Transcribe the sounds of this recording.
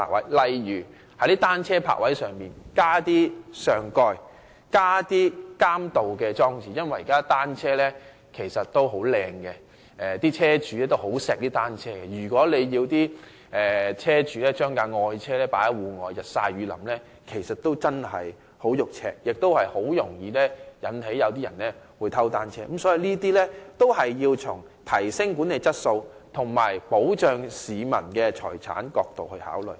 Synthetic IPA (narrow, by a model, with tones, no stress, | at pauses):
a̰˨˩k̚wɐ˨˦jlɐ˨jɥyː˨˩ | hɐ˨˥jt̪iː˥t̪aː˥nt͡sʰɛː˥pʰa̰ː˨k̚wɐ˨˥jsœː˨˩ŋpiː˨nkaː˥t̪iː˥sœː˨ŋkɔː˧j | kaː˥t̪iː˥kaː˥mt̪o˨wkɛː˧t͡ʃɔː˥ŋt͡siː˨jɐ˥nwɐ˨jiː˨˩kaː˥t̪aː˥nt͡sʰɛː˥lɛ˥ | kʰe˨˩jsɐ˨t̚t̪o˥wɦo˨˥wlɛː˧ŋkɛ˧ | ʔɛː˨t̪iː˥t͡sʰɛː˥t͡ʃyː˨˧lɛː˥t̪o˥who˨˥wsɛː˨k̚t̪iː˥t̪aː˥nt͡sʰɛː˥kɛ˧jyː˨˩kʷɔː˨˥le˨˧jjiː˧wt̪iː˥ | ʔɛː˨t͡sʰɛː˥t͡ʃyː˨˥lɛː˥t͡ʃœː˥ŋkaː˧ŋɔː˨˧jt͡sʰɛː˥lɛː˥paː˨˥j̚wuː˨˧ŋɔː˨˧jɐ˨t̚sa̰ː˧jɥyː˨˧lɐ̰˨˩mlɛː˥ | kʰe˨˩jsɐ˨t̚t̪ːo˥wt͡sɐ˥nhɐ˨j | ho˨˥wjʊ˨k̚t͡ʃʰɛː˥jɪ˨k̚t̪o˥whɐ˨jho˨˥wjʊ˨˩ŋjiː˨˧lɛː˥jɐ˨˧nɦe˨˥jɐ˨˧wt̪iː˥jɐ̰˨˩nɛː˥wuː˨˧jt̪ʰɐ˥wt̪aː˥nt͡ʃʰɛː˥ə˨˥msɔː˨˥ji˨˧niː˥t̪iː˥lɛː˥t̪o˥whɐ˨jːiː˧wt͡ʃʰʊ˨˩ŋ | t̪ʰɐ˨˩jsɪ˥ŋkuː˨˥ne˨˧jt͡sɐ˥t̚so˧wt̪ʰʊ˨˩ŋmaː˨˩jpo˨˥wt͡ʃœː˨˧ŋsiː˨˧mɐ̰˨˩nkɛː˧t͡ʃʰɔː˨˩jt͡sʰa̰ː˨˥nkɔː˧k̚t̪o˨whɵ˧ɥha̰ː˨˥wlɵ̰˨j